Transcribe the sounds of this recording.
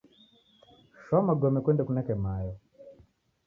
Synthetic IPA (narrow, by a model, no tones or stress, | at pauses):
ʃɔmaɡɔmɛkwɛndɛkunɛkɛmajɔ